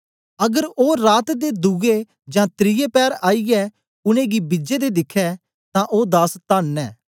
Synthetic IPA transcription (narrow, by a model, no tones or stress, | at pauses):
ɐɡəɾoːɾaːt̪d̪eːd̪ʊɡe | d͡ʒãːt̪ɾɪjeːpɛːɾaːiɛː | ʊnẽːɡibɪd͡ʒeːd̪eːd̪ɪkʰɛː | t̪ãːʔoːd̪aːst̪aːnɛ̰ː